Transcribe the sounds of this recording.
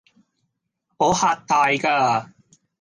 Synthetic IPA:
poː˨˥haː˨˧t̚t̪aː˧jkaː˧

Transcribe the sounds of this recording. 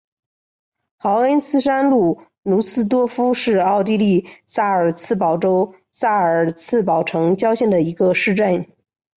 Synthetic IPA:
xɑ˧˥ʊə˥nsɹ̩˥ʂa˥nlu˥˩ | nu˧˥sɹ̩˥t̪wɔ˥fu˥ʂɻ̩˥˧ɑ˥˩˧ʊt̪i˥li˥˧sa˥˩ə˞˨˩t͡sʰɹ̩˥˩pɑ˨˩ʊʈ͡ʂo˥ʊ | sa˥˩ə˞˨˩t͡sʰɹ̩˥˩pɑ˨˩ʊʈ͡ʂʰɤ˧˥ŋt͡ɕjɑ˥ʊɕjɛ˥˩nd̪ə˩i˧˥ɡə˧ʂɻ̩˥˧ʈ͡ʂə˥˩n

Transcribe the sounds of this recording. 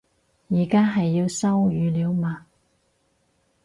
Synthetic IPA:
jiː˨˩kaː˥ɦɐ˨jːi˧wsɐ˥wjyː˨˧liː˨˧wmaː˨

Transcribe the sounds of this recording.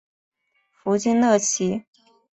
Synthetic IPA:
fu˧˥t͡ɕi˥nlɤ˥˩t͡ɕʰi˧˥

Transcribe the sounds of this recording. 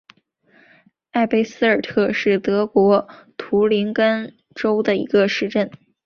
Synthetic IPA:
a˥˩ɪpe˥ɪsɹ̩˥ə˞˨˩t̪ʰɤ˥˧ʂɻ̩˥˩t̪ɤ˧˥kwɔ˧˥t̪ʰu˧˥li˧˥nkə˥n | ʈ͡ʂo˥ʊd̪ə˨ḭ˧˥ɡə˧ʂɻ̩˥˧ʈ͡ʂə˥˩n

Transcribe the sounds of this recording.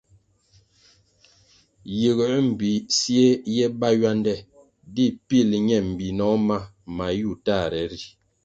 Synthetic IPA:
ji˨ɣə˨˦m̩˨bi˨sje˦jɛ˦ba˦ja˦ndɛ˦˨ | di˦pi˦˨lɲɛ˨m̩˨bi˨nɔ˨˦ma˦ | ma˨ju˦˨ta˦˨ɾɛ˨ɾi˨

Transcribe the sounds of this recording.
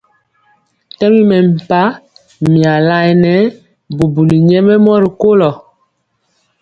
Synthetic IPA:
tɛ˦mi˦mɛ˨m̩˨pa˦ | mi˨a˨la˨˦ɛ˨nɛ˨˦ | bu˨bu˨li˨ɲɛ˦mɛ˦mɔ˦ɾi˨ko˦lɔ˨

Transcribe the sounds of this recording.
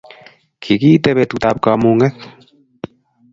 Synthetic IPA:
kʰi˨kiː˦tɛ˦βɛ˧tutaːp̚kamu˧ŋɛ˦k

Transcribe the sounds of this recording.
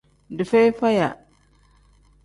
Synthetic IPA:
di˨fe˦jfa˦ja˨

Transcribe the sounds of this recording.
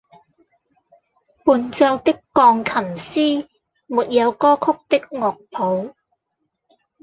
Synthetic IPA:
puː˨nt͡sɔ˧wt̪ɪ˥kːɔː˧ŋkʰɐ˨˩msiː˥ | muː˨t̚jɐ˨˧wkɔː˥kʰʊ˥k̚t̪ɪ˥k̚ŋɔː˨k̚pʰo˨˧˥w

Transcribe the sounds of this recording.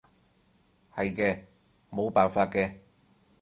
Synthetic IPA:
hɐ˨jkɛː˧ | mo˨˧wpaː˨nfaː˧t̚kɛː˧

